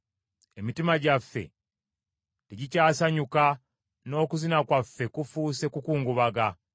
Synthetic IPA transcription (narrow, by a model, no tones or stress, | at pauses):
emitimaɟafːe̞̰ | teɟicaːsaɲuka | no̞ːkuzinakwafːe̞kufuːse̞kukuːŋɡuβaɡa